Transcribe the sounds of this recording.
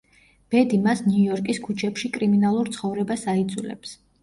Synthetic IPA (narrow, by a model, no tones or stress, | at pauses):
b̥ɛd̪imasnjujɔɾkʼiskʰut͡ʃʰɛpʃikʼɾiminalˠuɾt̪sʰχɔvɾɛbasaid̪zulɛ̰ps